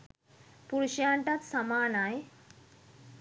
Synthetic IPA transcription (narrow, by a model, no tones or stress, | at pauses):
puɾuɕjaɳʈat̪samaːnaj